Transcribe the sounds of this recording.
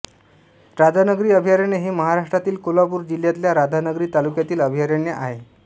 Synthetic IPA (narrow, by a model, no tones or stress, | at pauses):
ɾad̪ʱanəɡɾiːəbʱijaɾeɳeɦeməɦaɾaʂʈɾat̪iːlkolapuːɾd͡ʑiljat̪ljaɾad̪ʱanəɡɾiːt̪alukjat̪iːləbʱijaɾeɳjeʔaɦe